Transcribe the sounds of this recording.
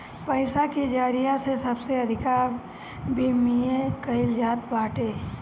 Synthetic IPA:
pəɪsakid͡ʒaːɾijasesɐbseɐd̪ʱɪkaːɾ | bʱimiẽkɐɪld͡ʒaːt̪baːʈeː

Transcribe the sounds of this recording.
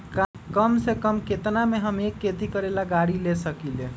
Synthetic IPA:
k | kəmsekəmket̪nameɦəmekːet̪ikəɾelaɡaɽilesəkile

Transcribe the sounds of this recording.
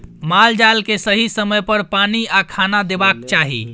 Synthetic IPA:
mald͡ʒalkesəɦisəməjpəɾpaniakʰanad̪ebakt͡ʃaɦḭ

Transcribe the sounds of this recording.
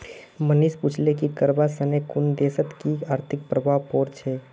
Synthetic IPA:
məniʃput͡ʃʰlekikəɾbasənekʊnd̪eːsət̪kiaːɾt̪ʰɪk̚pɾəbʱaːʋpɔːɾt͡ʃʰeː

